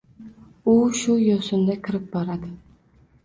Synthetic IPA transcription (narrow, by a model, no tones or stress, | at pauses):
ʊʃʊjosʊnd̪akʲʰɪɾɪp̚bɒɾad̪ɪ